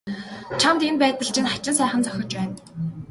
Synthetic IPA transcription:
t͡ɕʰamt̪enpæːt̪ə̆ɬt͡ɕɪ̆nχḁt͡ɕɪ̆nsæːχə̆nt͡sœxʲɞ̆t͡ɕpæːn

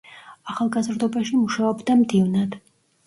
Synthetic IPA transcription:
aχalˠɡazɾd̪ɔbaʃimuʃaɔbd̪amd̪ivnad̪̥

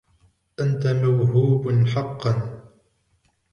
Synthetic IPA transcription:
ʔant̪amawɦuːbħɑqːɑn

